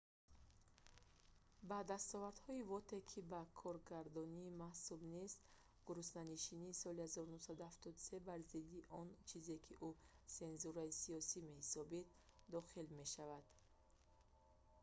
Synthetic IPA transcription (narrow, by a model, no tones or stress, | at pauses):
bad̪ast̪ɔvaɾd̪hɔivɔt̪ʰe̞kʰibakʰɔɾɡaɾd̪ɔniːmahsubnest̪ | ɡ̥uɾusnaniʃiniːsɔlihazɔɾunuhsad̪uhaft̪ɔd̪use̞baɾzid̪iʔɔnt͡ʃʰize̞kʰiʔuse̞nzuɾaisiɔsime̞hisɔbid̪ | d̪ɔχilme̞ʃavad̪̥